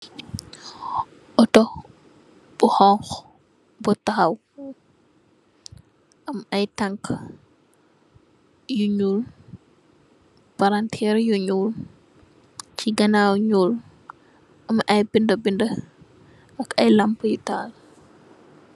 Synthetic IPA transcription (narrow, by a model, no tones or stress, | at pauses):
ʔɔtɔ | buhɔŋx | bɔtaxaw | ʔamajtaŋk | juɲuːl | paɾantʰɛɾjuɲul | t͡ʃiɡɐnawɲuːl | ʔɐmʔajbindəbində | ʔakɐjlampjutaːl